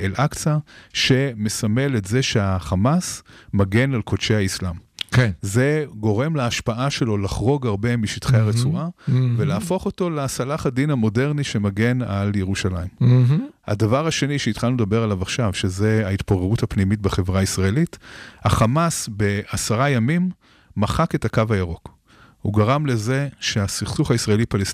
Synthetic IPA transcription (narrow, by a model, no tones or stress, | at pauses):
elʔakt͡saʃe̞mesame̞letze̞ʃeaχamasmaɡe̞nalko̞tt͡ʃehaislamkze̞ɡo̞ʁe̞mlaːʃpaʔaʃe̞lo̞laχʁo̞ɡaʁbe̞miʃitχeaʁet͡suʁavelaːfo̞χo̞to̞leasalaχadinamo̞de̞ʁniʃe̞maɡe̞naljeʁuʃalaimha̰davaʁaʃe̞niʃeitχalnuled̪abe̞ʁalavaχʃavʃe̞ze̞aitpoʁeʁuthapnimitbeχe̞vʁaisʁaelitaχamasbe̞asaʁajamimː | aχake̞thakavajaʁo̞k | ṵɡaʁamle̞ze̞ʃe̞asiχsuχaisʁaelipalest